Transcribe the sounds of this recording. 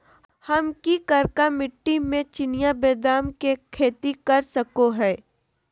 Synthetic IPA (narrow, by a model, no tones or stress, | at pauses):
hɐmkikɐɾkamɪʈːimẽt͡ʃɪnɪjabeːd̪aːmkekʰeːt̪ikɐɾsɐkoɦɛː